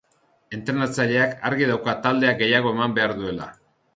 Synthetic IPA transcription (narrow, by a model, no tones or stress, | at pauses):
e̞nt̪ɾe̞nat͡saʎe̞akaɾɣiðawkat̪ald̪e̞aɡe̞jaɣ̞o̞e̞mambe̞aɾðue̞la̰